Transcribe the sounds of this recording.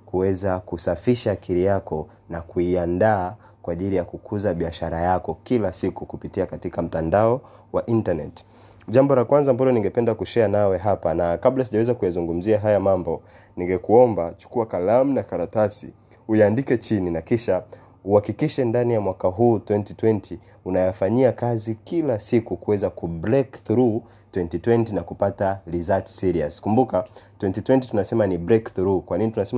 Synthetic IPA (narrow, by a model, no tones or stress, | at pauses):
kuwɛzakusafiʃaːkʰiɾijakɔ | nakuiandaː | kwaːʄilijakukʰuzaɓiaʃaɾajakɔkilasikukupitiakatikam̩tandaɔ | waʔintanɛti̥ | ʄambɔlakwanzaːmbalɔniŋɡɛpɛndakuʃɛanawɛɦapanakaɓlas̬iʄawɛzakujazuŋɡum̩ziaɦajamambɔ | niŋɡɛkuɔmbat͡ʃu̥kuakalam̩nakaɾatasḭ | ujaːndikɛt͡ʃininakiʃa | uhakikiʃɛndanijamwakaɦuːtwɛntitwɛntʰi | unajafaɲiakazikilasikukuwɛzakubɾɛkθɾu | twɛntitwɛntinakupatalizatsiɾia̰skumbukatwɛntitwɛntitunasɛmanibɾɛkθɾukwaninitunasɛma